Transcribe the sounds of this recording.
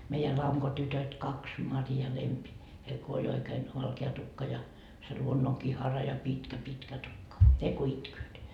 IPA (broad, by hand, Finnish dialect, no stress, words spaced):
meijæ lɑŋkotytøt kɑks mɑri jɑ lempi heil ko olʲ oikeːn ʋɑlkeɑ tukːɑ jɑ se luonːoŋkihɑrɑ jɑ pitkæ pitkæ tukːɑ ne ko itkøːt